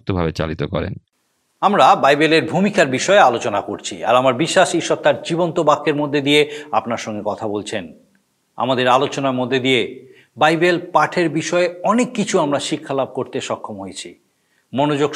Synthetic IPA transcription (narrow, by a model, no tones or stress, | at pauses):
t̪obʱabet͡ɕa̰lit̪okɔ̰ɾḛn | amɾabajbeleɾbʱumikaɾbiʃɔealot͡ɕonakoɾt͡ɕʰḭa̰ɾamaɾbiʃːaʃiʃːɔt̪aɾd͡ʑibont̪obakʰːeɾmod̪ʱːed̪ijea̰pnaɾʃɔŋɡekɔt̪ʰabolt͡ɕʰen | a̰mad̪eɾalot͡ɕonaɾmod̪ʱːed̪ie | bajbelpaʈʰeɾbiʃɔeɔnekːit͡ɕʰuamɾaʃikʰːalab̚koɾt̪eʃɔkʰːomɦojet͡ɕʰḭ | monod͡ʑoɡ